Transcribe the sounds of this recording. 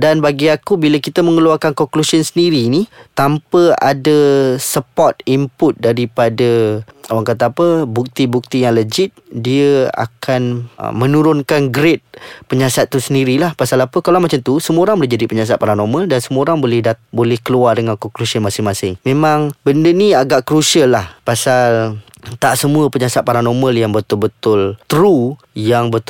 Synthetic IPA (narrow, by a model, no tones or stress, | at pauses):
danbaɡiakubilakit̪əməŋəluarkankɔŋklusiənsəndiɾinit̪ampəa̰dəsəpɔt̪̚impʊt̪̚daɾipadəawaŋkat̪aːpəbuk̚t̪ibuk̚t̪ijaŋləd͡ʒɪt̪̚diəa̰kan̰mə̃nuɾʊnkanɡɾet̪̚pəɲasat̪ːusəndiɾilahpasalapəkalawmat͡ʃamt̪usəmuəoɾaŋbərd͡ʒadipəɲas̬at̪̚paɾanoməldansəmuoɾaŋbolɛhdabolɛhkəluardəŋankokɾusiəmasɪŋmasɪŋmemaŋbəndəniaɡaʔkɾusiəlːahpasal | t̪aʔsəmuəpəɲasat̪̚paɾanoməljaŋbət̪ʊlbət̪ʊlt̪ɾu | jaŋbət̪